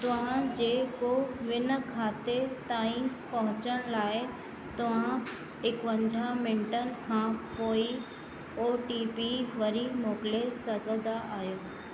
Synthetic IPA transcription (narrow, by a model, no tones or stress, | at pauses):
t̪ɐʋ̤ãd͡ʑeːkoʋɪnə̆kʰaːt̪et̪aːĩ | pɐɦʊ̃t͡ɕəɽ̃laːɪ | t̪ɐʋ̤ã | ɪkʋə̃ɲd͡ʑʱamɪ̃ɳʈənɪ̆kʰãpoːi | oːʈiːpiʋɐɾimoːkɪlesɐɡʱəd̪aʔaːɦjoː